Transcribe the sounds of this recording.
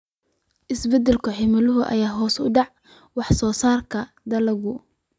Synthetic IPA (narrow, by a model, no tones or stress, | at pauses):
ʔɪsbɛd̪ɛlkʰʊħɪmɐlʊɦʊʔɐ̰jaːɦɔːsʊ̰ɖɑʕ | wɑħsɔːsaːrkʰɐ | d̪ɐlɐɣʊ